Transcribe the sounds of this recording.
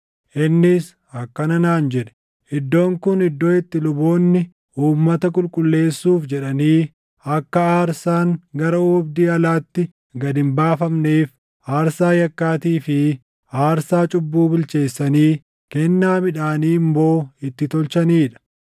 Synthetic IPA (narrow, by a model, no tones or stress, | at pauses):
ʔɪnːɪs | ɐkːɐnɐnaːnd͡ʒɛᶑɛ̥ | ʔɪd̪ːo̞ːŋkʊnɪd̪ːoːɪt̪ːɪlʊbo̞ːnːɪ | ʔuːmːɐt̪ɐkʼʊlkʼʊlːe̞ːsːuːfd͡ʒɛᶑɐniː | ɐkːɐaːɾsaːŋɡɐɾɐʊbd̪iːɐlaːt̪ːɪ | ɡɐd̪ɪmbaːfɐmneːf | ʔaːɾsaːjɐkːaːt̪iːfɪ | aːɾsaːt͡ʃʼʊbːuːbɪlt͡ʃe̞ːsːɐniː | kɛnːaːmɪᶑaːniːmbo̞ːɪt̪ːɪt̪ɔlt͡ʃɐniːᶑɐ̥